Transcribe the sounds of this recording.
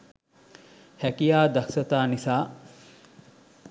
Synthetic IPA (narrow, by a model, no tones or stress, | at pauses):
hækijaːd̪ɐksɐt̪aːnisaː